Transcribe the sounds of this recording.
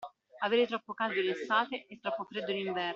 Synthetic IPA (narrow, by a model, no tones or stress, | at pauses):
aveːɾet̪ɾɔpːokald̪jolesaːt̪eʔːt̪ːɾɔpːofɾed̪ːoliɱvɛ